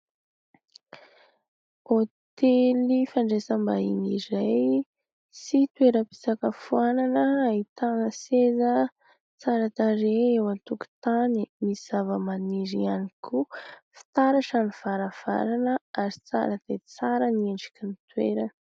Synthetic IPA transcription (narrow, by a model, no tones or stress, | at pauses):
ot̪elifaɳɖ͡ʐesambainiɾaj | sit̪weɾəpi̥sakəfuananəait̪aŋəsezə | t͡saɾat̪aɾeewant̪uku̥t̪animiz̥avəmaniɾianikʰufi̥t̪aɾaʈ͡ʂaniv̥aɾav̥a̰ɾanəaɾi̥t͡sa̰ɾət̪et͡saɾənieɳɖ͡ʐi̥kinit̪wḛɾə